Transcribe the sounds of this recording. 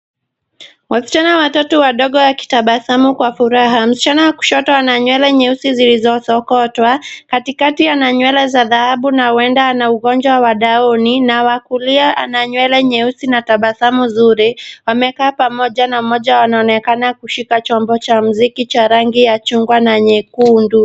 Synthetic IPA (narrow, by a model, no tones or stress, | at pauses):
wasi̥t͡ʃanawatɔtɔwaɗɔɠɔwaki̥taɓasamukwafuɾaɦam̩si̥t͡ʃanawaku̥ʃɔtɔanaɲwɛlɛɲɛusizilizɔsɔkɔtwakatikatianaɲwɛlɛzaðahaɓunawɛndaːnauɣɔnd͡ʒwawaɗaɔninawakuliaʔa̰naɲwɛlɛɲɛusinataɓasamuzuɾiwamɛkaːpamɔʄanam̩mɔʄawanaɔnɛkanakuʃikat͡ʃɔmbɔt͡ʃam̩zikit͡ʃaɾaŋɡijat͡ʃuŋɡwanaɲɛkundu